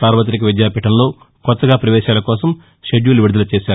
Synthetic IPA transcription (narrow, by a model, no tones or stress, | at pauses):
saːɾʋɐt̪̬ɾik̬ɐʋid̪jaːpiʈɐmlo̞ː | kɔt̪ːɐɡaːpɾɐʋɛːʃaːlɐkɔːsɐm | ʃeɖjuːluʋiɽud̪ɐlɐt͡ʃeːsaːu